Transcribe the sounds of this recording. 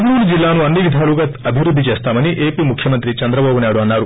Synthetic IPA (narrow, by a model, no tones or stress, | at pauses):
ɐɡɐnuːɽud͡ʒilːaːnuɐnːiʋid̪ʱaːluɡaːt̪ɐbʱiʋɾud̪ʱːit͡ʃeːst̪aːmɐniʔe̞ːpiːmukʰjɐmɐnt̪ɾit͡ʃɐnd̪ɾɐbaːbunaːjɽuɐnːaːɾu